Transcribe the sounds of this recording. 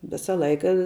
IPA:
ˈʋʲɪsɐ ˈlˠɐɪkɐ

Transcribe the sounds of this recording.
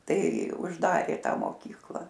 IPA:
ˈtɐɪ ʊʒˈdɑːrʲeː ˈtɑː moːˈkʲiːklˠɐ

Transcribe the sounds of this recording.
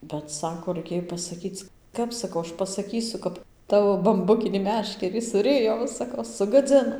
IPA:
bʲɛt ˈsɑːkoː rɐɪˈkʲeːj pɐsɐˈkʲiːt͡s ˈkɐp sɐˈkɐʊ ˈɐʃ pɐsɐˈkʲiːsʊ ˈkɐp ˈtɑːʋoː bɐmˈbʊkʲɪnʲiː ˈmʲæːʃʲkʲɛrʲiː sʊˈrʲɪjoː ˈʋɐ sɐˈkɐʊ sʊɡɐˈd͡zʲɪnoː

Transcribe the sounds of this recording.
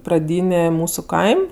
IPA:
prɐˈdʲiːnʲeː ˈmuːsʊ ˈkɐɪmʲ

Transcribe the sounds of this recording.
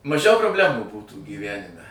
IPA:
mɐˈʒʲɛʊ proːbʲˈlʲæːmuː ˈbuːtuː ɡʲiːˈʋʲænʲɪmʲɛ

